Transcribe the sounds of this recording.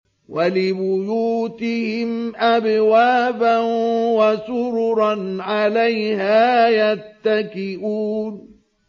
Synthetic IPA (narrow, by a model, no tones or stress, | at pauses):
walɪbʊjuːt̪ɪhɪmʔabwaːbanwasʊɾʊɾɑnʕalajhaːjat̪ːakɪʔuːn